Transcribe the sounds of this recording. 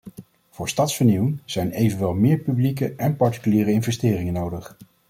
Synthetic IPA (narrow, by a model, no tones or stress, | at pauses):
v̥ʊːɹstɑtsfəɹniwɪŋz̥ɛjnejvənʋɛlˠmɪːɹpyblikəʔɛnpɑɹti̥kyliːɾəɪnvɛstɪːrɪŋənowdəχ